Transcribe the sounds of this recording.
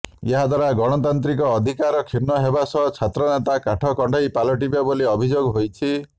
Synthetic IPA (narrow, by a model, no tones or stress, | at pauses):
eɦad̪ʱaɾaɡɔɽ̃ɔt̪ant̪ɾikɔːd̪ʱikaɾɔkʰiɾnɔɦebasɔt͡ʃʰat̪ɾɔnet̪akaʈʰɔkɔɳɖʱɔjpalɔʈ̬ibaboliɔbʱid͡ʒoɡɦojt͡ʃʰi